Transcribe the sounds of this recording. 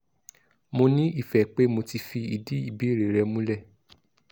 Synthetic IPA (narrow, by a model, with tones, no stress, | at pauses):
mo˧nĩ˦i˦˨fɛ˨k͡pe˨˦mo˧ti˧fi˧i˨di˦i˦˨bi˨˦˨ɾe˨ɾɛ˧mũ˦lɛ˦˨